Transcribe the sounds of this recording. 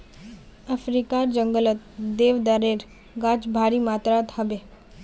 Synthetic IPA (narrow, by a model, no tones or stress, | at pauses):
ɐfɾikaːɾd͡ʒəŋɡələt̪̚d̪eːʋd̪aɾeːɾ | ɡaːt͡ʃbʱaːɾimaːt̪ɾaːt̪həbe